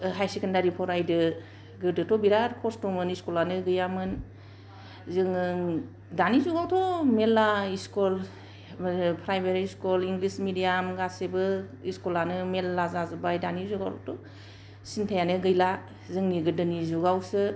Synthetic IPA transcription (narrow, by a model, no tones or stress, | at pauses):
ɦajsikʰendaɾipʰɔɾajdɯ | ɡɯdɯtɔbiɾaɾpʰɔstɔmɯniskulanɯɡɯjamɯn | zɯŋɯŋ | danizuɡawtʰɔmelaiskul | pʰɾajmeɾiskuliŋɡlismidijamɡasebɯiskulanɯmelːazazɯbajdanizuɡa̰wto̰tʰɔ | sintʰajanɯɡɯjla | zɯŋniɡɯdɯnizuɡawsɯ